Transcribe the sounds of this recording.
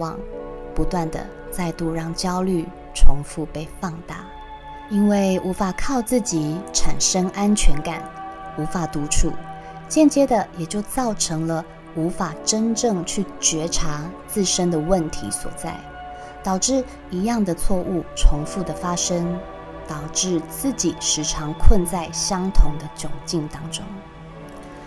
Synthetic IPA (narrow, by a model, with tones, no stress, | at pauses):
wɑ̰˨˩ŋpu˧˥t̪wa˥˩nd̪ə̰˩ | t͡sa˥˧ɪt̪u˥˧ɻɑ˥˩ŋt͡ɕjɑ˥ʊly˥˩ | ʈ͡ʂʰʊ˧˥ŋfu˥˧pe˥˧ɪfɑ˥˧ŋt̪a̰˥˩ | i˥nwe˥˩ɪʔu˧˥fa˨˩kʰɑ˥˧ʊt͡sɹ̩˥˩t͡ɕi˨˦ʈ͡ʂʰa˨˩nʂə˥ŋʔa˦nt͡ɕʰɥɛ˧˥nka˨˩nu˧˥fa˨˩t̪u˧˥ʈ͡ʂʰṵ˥˨˩ | t͡ɕjɛ˥˨nt͡ɕjɛ˥d̪ə˨jɛ˨˩t͡ɕjo˥˧ʊt͡sɑ˥˩ʊʈ͡ʂʰɤ˧˥ŋlə˧ | u˧˥fa˨˩ʈ͡ʂə˥nʈ͡ʂɤ˥˧ŋt͡ɕʰy˥˩t͡ɕɥɛ˧˥ʈ͡ʂʰa˧˥˦t͡sɹ̩˥˩ʂə˥nd̪ə˨wə˥˨nt̪ʰḭ˧˥swɔ̰˨˩t͡sa̰˥˩ɪ | t̪ɑ˨˩ʊʈ͡ʂɻ̩˥˩ | i˧˥jɑ˥˩ŋd̪ə˨t͡sʰwɔ˥˧ʔu˥˩ʈ͡ʂʰʊ˧˥ŋfu˥˩d̪ə˩fa˥ʂə˥ŋ | t̪ɑ˨˩ʊʈ͡ʂɻ̩˥˩˧t͡sɹ̩˥˩t͡ɕi˨˩ʂɻ̩˧˥ʈ͡ʂʰɑ˧˥ŋkʰwə˥˧nt͡sa˥˩ɪɕjɑ˥ŋt̪ʰʊ˧˥ŋd̪ə˧t͡ɕjʊ˨˩ŋt͡ɕi˥˩nt̪ɑ˥ŋʈ͡ʂʊ˥ŋ